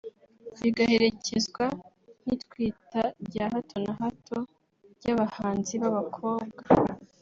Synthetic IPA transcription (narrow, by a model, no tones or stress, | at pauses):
βiɡahe̞ɾe̞cezɡwa | n̥itkwiːtaɾɟaːɦatʰo̞naɦatʰo̞ | ɟaβahaːnziβaβakʰo̞ːb̚ɡa